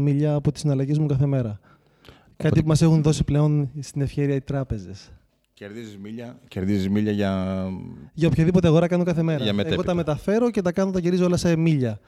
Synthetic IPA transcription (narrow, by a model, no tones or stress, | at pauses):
miʎɐːpo̞t̪i̥sinɐlɐʝizmukɐθe̞me̞ɾɐ | kkɐt̪ip̬umɐse̞xunðo̞siple̞o̞nst̪ine̞fçe̞ɾiɐit̪ɾɐpe̞ze̞s | ceɾðizizmiʎɐceɾðizizmiʎɐʝɐ | ʝɐopçɐðip̬o̞t̪eɐɣo̞ɾɐkɐnokɐθe̞me̞ɾɐɐeɣo̞t̪ɐme̞t̪ɐfe̞ɾo̞ce̞t̪ɐkɐnot̪ɐʝeɾizoolɐsemiʎɐ